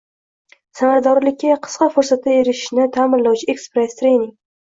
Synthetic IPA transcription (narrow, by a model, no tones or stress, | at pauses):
samaɾad̪ɒɾlɪkʲːaqʰɨ̥sqɑfoɾsat̪ːaeɾɪʃnɪt̪ʰaːmɪnlawt͡ʃʰɪekspɾest̪ʰɾejnɪŋ